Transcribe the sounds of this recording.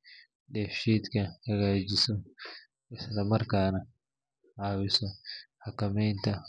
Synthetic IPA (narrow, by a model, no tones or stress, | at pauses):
ɗɛːfʃiːt̪kɐhɐɣaːd͡ʒɪsɔ | ɪslɐmɐrkaːnɐ | ʔaːwɪsɔħakɐmɛjnt̪ʰɐ